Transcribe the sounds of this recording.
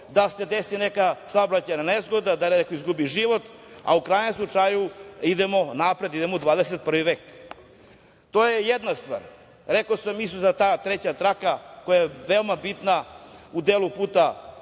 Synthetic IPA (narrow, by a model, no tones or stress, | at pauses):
d̪ase̞d̪esinekasaobɾat͡ɕajnanezɡo̞d̪ad̪annekoizɡubiʒiʋo̞t̪a̰ukɾaːjɲemslˠut͡ʂajuid̪emo̞napɾe̞d̪id̪emoud̪ʋaːd̪eset̪̚pr̩ʋiʋeːk | t̪ojejed̪nast̪ʋa̰ːɾ | ɾekosamisuzat̪aːt̪ɾet͡ɕat̪ɾakakojajeʋeomabit̪naud̪eːlupuːt̪a